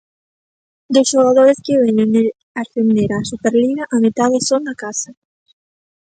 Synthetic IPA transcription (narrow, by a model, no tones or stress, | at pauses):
d̪osʃoɣ̞aðoɾeskɪβɛɲene | aɾfend̪eɾaːsupeɾliɣɐʔamet̪aðɪsoŋnakasɐ